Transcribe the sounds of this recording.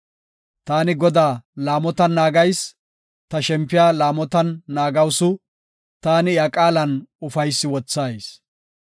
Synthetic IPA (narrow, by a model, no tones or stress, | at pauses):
t̪aːnɪɡɔd̪aːlaːmɔt̪ɐnːaːɡɐjs | t̪ɐʃɛmpːɪjaːlaːmɔt̪ɐnːaːɡɐwsʊ | t̪aːnɪjɐkʼaːlɐnʊfɐjsːɪwɔt͡sːaːjs